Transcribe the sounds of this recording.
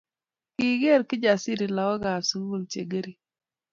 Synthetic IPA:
ki˦ɡe˦˨ɾkɪ˦d͡ʒa˨si˦ɾi˨la˨wɔ˦ɡa˨su˨ŋu˦˨lt͡ʃḛ˨ɡe˦ɾi˨

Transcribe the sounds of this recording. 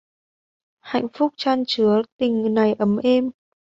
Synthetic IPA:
ha̰˧˨jŋ̟fʊ˦˥k͡p̚t͡ɕaː˧nt͡ɕɨ˨˦ət̪ï˨˩ŋ̟na˨˩jʔə˨˦mʔɛ˧m

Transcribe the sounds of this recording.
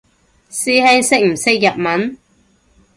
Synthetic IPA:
siː˥hɛː˥ŋsɪ˥k̚m̩˨˩sɪ˥k̚jɐ˨t̚mɐ˨˥n

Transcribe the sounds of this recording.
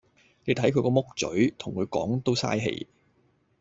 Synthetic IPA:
ne˨˧jt̪ʰɐ˨˥jkʰɵ˨˧ɥkɔː˧mʊ˥k̚t͡sɵ̰˨˥ɥt̪ʰʊ˨˩ŋkʰɵ˨˧ɥkɔ̰ː˨˥ŋt̪o˥wsa̰ː˥jɦḛ˨˩j

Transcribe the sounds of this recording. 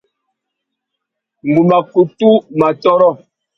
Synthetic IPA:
ŋ˨ɡu˨ma˨ku˨tu˦ma˨tɔ˦ɾɔ˦˨

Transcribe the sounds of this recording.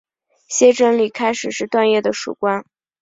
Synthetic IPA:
ɕjɛ˥ʈ͡ʂɤ˥ŋli˨˩kʰa˥ɪʂɻ̩˨˩ʂɻ̩˥˧t̪wa˥˧njɛ˥˩d̪ə˩ʂṵ˨˩kwa˥n

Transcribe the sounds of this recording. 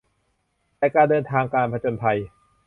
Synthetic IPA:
lɛː˧kaː˧ndɤː˧nt̪ʰaː˧ŋkaː˧npʰa˧t͡ɕoː˧npʰa˧j

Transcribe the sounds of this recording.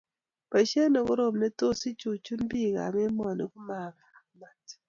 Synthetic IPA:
pa˨ʃe˦nɔ˨kɔ˦ɾo˨mne˦to˦si˦t͡ʃu˨t͡ʃu˦nbi˦˨ka̰˨mɛ˦m˦ɔ˨ni˦ku˦ma˨ba˨˦ma˨t

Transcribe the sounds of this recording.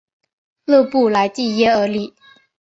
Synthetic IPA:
lɤ˥˧pu˥˩la˧˥ɪt̪i˥˩jɛ˥ə˞˧˥li˥˩˦

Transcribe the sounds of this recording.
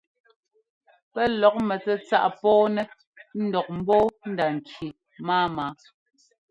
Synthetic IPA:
pɛ˦lɔ˨˦k̚mɛ˨t͡sɛ˦t͡sa̰˦ʔpɔː˦nɛ˦ | n̩˦dɔ˨k̚m̩˦bɔː˦n̩˦da˨ŋ̩˨kʰi˨ | maː˦maː˨˦

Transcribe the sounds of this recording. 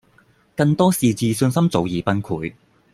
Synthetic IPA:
kɐ˧ŋt̪ɔː˥siː˨t͡siː˨˧sɵ˧nsɐ˥mt͡so˨˧wjiː˨˧pɐ˥nkʰuː˨˥j

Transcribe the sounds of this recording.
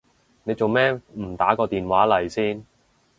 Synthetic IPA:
ne˨˧jt͡so˨wmɛː˥m̩˨˩t̪aː˨˥kɔː˧t̪iː˨nwaː˨˥lɐ˨˩jsiː˥n

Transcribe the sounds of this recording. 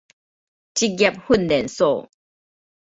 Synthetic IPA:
t͡ɕi˦ɡa˧˨p̚hu˥˨ndɛ˨nsɔ˥˨

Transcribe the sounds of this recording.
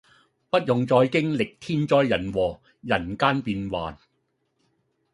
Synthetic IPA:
pɐ˥t̚jʊ˨ŋt͡sɔː˧jkɪ˥ŋlɪ˨k̚t̪ʰiː˥nt͡ʃɔː˧jːɐ˨˩nwɔː˨˩ | jɐ˨˩nkaː˥npiː˧nwa̰ː˨n

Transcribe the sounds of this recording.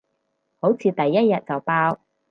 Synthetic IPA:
ho˨˥wt͡sʰiː˨˧t̪ɐ˨jːɐ˥t̚jɐ˨t̚t͡sɐ˨˩wpaː˥w

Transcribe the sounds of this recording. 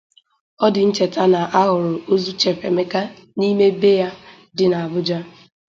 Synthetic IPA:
ɔ˦dɪ˨n̩˦t͡ʃe˨ta˦na˨ʔa˦ɦʊ˨ɾʊ˨o˦zu˦t͡ʃe˨fe˨me˦ka˦ | ni˦me˦be˦ja˦ | dɪ˨na˨a˨bʊ˦d͡ʒa˦

